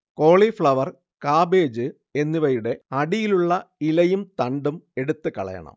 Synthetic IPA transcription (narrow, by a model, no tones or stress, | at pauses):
ko̞ːɭifɭɐʋɐr | kaːbeːd͡ʑɨ | e̞nːiʋɐjuɽe̞ɐɽijiluɭːɐilɐjumt̪ɐɳɖume̞ɽut̪ːɨkɐ̰ɭɐ̰jɐ̰ɳɐ̰m